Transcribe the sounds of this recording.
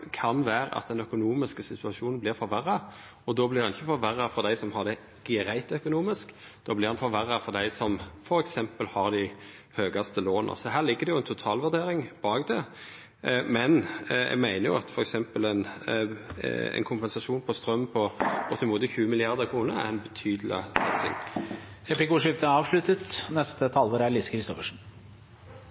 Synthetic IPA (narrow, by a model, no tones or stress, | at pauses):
kʰɑnʋæːɾə̰ʔɑ̰t̪̚d̪ɛnœkʊnuːmɪskəsɪt̪ʉɑʂuːnn̩blɪʁfɔɾʋæɾːɑ | ɔd̪oːblɪʁhɑnɪçːəfɔɾʋæɾɑfɔʁd̪æɪsɔmhɑʁd̪ɛ | ɡ̥ɾæɪt̪œkʊnuːmɪsk | d̪̥oːblɪʁhɑnfɔɾʋæʁːɑfɔʁd̪æɪsɔmfɔɾɛksɛmpəlhɑʁd̪ɪ | høːɡɑst̪əloːnə̰sɔɦæːʁlɪɡːəɾd̪ɛjʊɛnt̪ʰʊt̪ʰɑːlʋʉʁd̪eːɾɪŋb̥ɑːɡd̪ɛ | mɛnɛ̰ɡmæɪnəɾjʊ̰ɑt̪fɔɾɛksɛmpəlɛn | ɛ̰nkʰʊmpɛnsɑʂuːnpʰɔst̪ɾœmpʰɔɡ̥ɔt̪ɪmuːt̪əçʉːəmɪlɪɑʁd̪əkʰɾuːnəæ̰ʁɛɪnbɛt̪ʰyːd̪lɪ̰sɑt̪sɪ̰ŋ | ɛplɪkuʂɪft̪əɑːʋʂlʉt̪ət̪nɛst̪ət̪ʰɑːlːəɾælɪskʰɾɪst̪ɔfəʂ̩